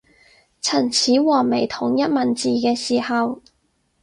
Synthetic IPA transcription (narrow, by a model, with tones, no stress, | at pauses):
t͡sʰɐ˨˩nt͡sʰiː˨˥wɔː˨˩me˨˩jt̪ʰʊ˨˩ŋjɐ˥t̚mɐ˨nt͡siː˨kɛː˧siː˨˩hɐ˨w